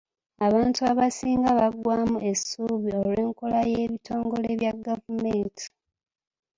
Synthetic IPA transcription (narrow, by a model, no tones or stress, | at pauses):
aβaːntuaβasiːŋɡaβaɡwaːmue̞suβio̞lwe̞ːŋkolajeːβitʰo̞ːŋɡo̞le̞βjaɡavumeːntʰi̥